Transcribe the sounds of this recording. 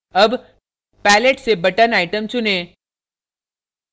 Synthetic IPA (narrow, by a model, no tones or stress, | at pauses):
əb | pɛːleʈsebɐʈənaːɪʈəmt͡ʃʊnẽː